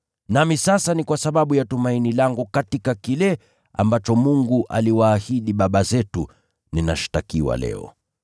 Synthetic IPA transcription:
namisasanikwasaɓaɓujatumainilaŋɡukatikakilɛ | a̰mbat͡ʃɔmuŋɡuʔa̰liwaːhiɗiɓaɓazɛtu | nina̰ʃi̥takiwa̰lɛ̰ɔ̰

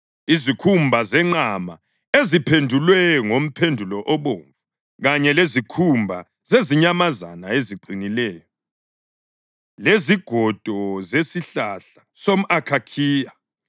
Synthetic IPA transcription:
izikʰumbʱazɛŋ͡ǃama̰ | ezipʰendʱulwɛŋom̩pʰendʱulɔʔɔβoːɱvu | ɣaɲɛlezikʰumbʱa | zeziɲamazanaeziǃinilɛːjɔ | leziɡ̥ʱɔd̥ʱɔzesiɬaɬa | som̩akʰakʰiːja

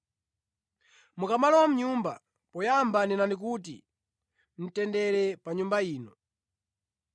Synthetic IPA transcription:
mukamalɔwam̩ɲumba | pɔjambaninanik̬ut̬ḭ | n̩tɛndɛɾɛpaɲumbaiːnɔ

